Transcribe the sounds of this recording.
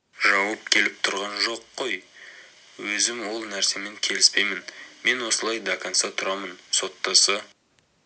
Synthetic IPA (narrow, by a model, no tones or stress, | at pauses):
ʒɑwɑp̚kʲʰe̞lɪp̚t̪ʰʊɾʁɑnʒo̞qːo̞j | wɵzɪmwo̞lˠnæɾse̞me̞ŋkʲʰe̞lɪspe̞jmɪnme̞nwo̞səlˠɑjd̪akansɑt̪ʰʊɾɑmənso̞t̪ːɑsə